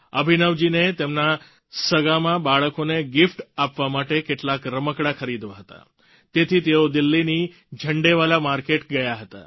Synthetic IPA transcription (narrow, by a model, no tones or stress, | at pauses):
əbʱinəʋd͡ʒinet̪emna | səɡamãbaɭəkoneɡifʈapʋamaʈekeʈlakɾəməkɽakʰəɾid̪ʋaɦət̪a̰ | t̪et̪ʰit̪eod̪ilːini | d͡ʒʱəɳɖeʋalamaɾkeʈɡəjaɦət̪a̰